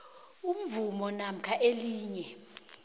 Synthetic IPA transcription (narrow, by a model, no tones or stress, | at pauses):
um̩vumɔnam̩kʰaʔeliːɲɛ